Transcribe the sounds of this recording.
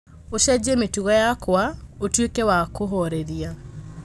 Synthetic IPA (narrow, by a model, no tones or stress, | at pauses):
oʃɛd͡ʑemetuɣɔjakwaotwekɛwakoɦɔɾeɾia